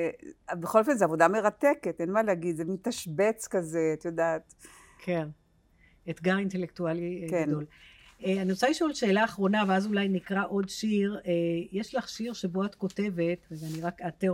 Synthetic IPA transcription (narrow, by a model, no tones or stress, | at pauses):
beχolofelzeavo̞dame̞ʁat̪eketenmaleaɡid̪zemit̪aʃbet͡skazeat̪jodaːt̪ | kʰen | et̪ɡaʁinte̞lektualikɡeado̞leanosaiʃoalʃe̞ːlaːχʁo̞naveazulajnikʁaʔo̞dʃiʁejeʃlaχʃiʁʃe̞boatko̞te̞ve̞tvezaniʁakate